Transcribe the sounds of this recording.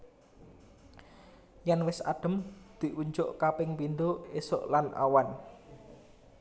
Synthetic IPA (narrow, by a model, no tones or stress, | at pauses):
janwɪsa̰ɖ̥ə̤md̪̥i̤ʔuɲd͡ʒʊʔkapɪŋpind̪oesʊ̰ʔlanʔa̰wan